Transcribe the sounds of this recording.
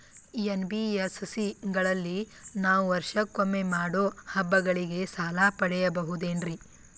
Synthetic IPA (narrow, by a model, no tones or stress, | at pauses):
enbiessiɡɐɭɐlːi | naːʋuʋɐɾʃɐkːomːe̞maːɽoːhɐbːɐɡɐɭiɡe̞saːlaːpɐɽɛjɐbɐɦud̪e̞ːnɾi